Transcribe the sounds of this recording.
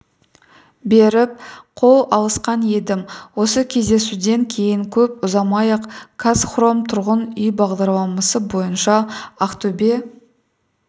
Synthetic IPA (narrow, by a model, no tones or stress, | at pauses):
be̞ɾɪp̚qʰo̞lˠɑlˠəsqɑnje̞d̪ɪmwo̞səkʲʰe̞zd̪e̞sud̪e̞ŋkʲʰe̞jɪŋkʲʰɵp̚ʊzɑmɑjəqkʰasχro̞mt̪ʰʊɾʁənʏjbɑʁd̪ɑɾlˠɑmɑsəbo̞jənʃɑaqt̪obe